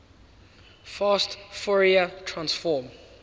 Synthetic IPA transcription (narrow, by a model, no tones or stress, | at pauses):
fastfɔɹiatʰɹãnsfɔm